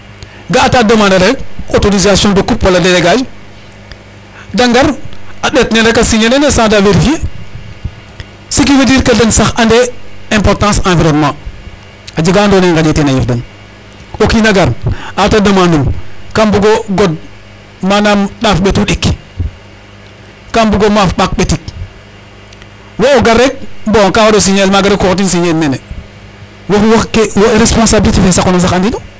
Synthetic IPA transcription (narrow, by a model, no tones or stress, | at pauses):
ɡaːtadɐmaːnɐɾek̚otoɾizasjɔ̃ndokupːoladeɾeɡad͡ʒ | daŋɡaɾaɗetneɾekasiɲenenesãdaveɾifie | sikinidiːɾkadɐnsaxandɛɛ̃mpɔɾtãːsãviɾonmã | ad͡ʒiɡandonɛŋɡadetenajifdɐn | okinaɡaɾatadɐmanumkambuɡoɡod̚ | manamɗafɓetuɗik | kambuɡomafɓak̚ɓetik̚ | waoɡaɾek̚bõkawados̬iɲelmaɡaɾikoɾtinsiɲelmene | wafwakewɾespõnsabilitifisakonas̬axandido